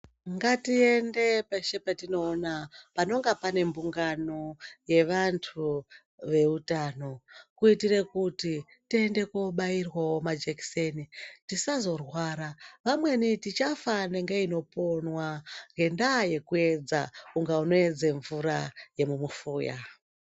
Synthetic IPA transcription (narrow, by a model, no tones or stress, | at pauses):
ŋɡatie̞nde̞paʃepatino̞ːnapano̞ŋɡapane̞mbuŋɡano̞je̞ʋantʰu | ʋe̞utaːno̞kuitire̞kuti | tie̞nde̞koɓairwawomad͡ʒeksenitisazo̞rwaːɾaʋamwe̞nitit͡ʃafaneŋɡeino̞po̞nwaŋɡe̞ndaje̞kue̞d͡za̰uŋɡauno̞ed͡zeɱvuɾaje̞mumufuːja̰